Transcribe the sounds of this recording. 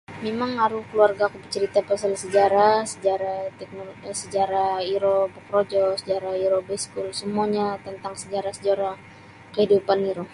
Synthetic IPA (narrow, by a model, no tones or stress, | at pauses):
memaŋaɾuhkəluarɡaːkubət͡ʃəɾit̪apasalsəd͡ʒaɾasəd͡ʒaɾat̪ɛk̚nosəd͡ʒaɾaiɾobəkɾod͡ʒɔsəd͡ʒaɾaiɾobɛskulsəmuaɲat̪ənt̪aŋsəd͡ʒaɾasəd͡ʒaɾa | kəhidupaniɾo